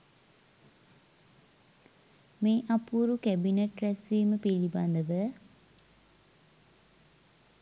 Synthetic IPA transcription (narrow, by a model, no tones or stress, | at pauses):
meːʔapuɾukæbineʈrɛsʋiːməpiliband̪əʋə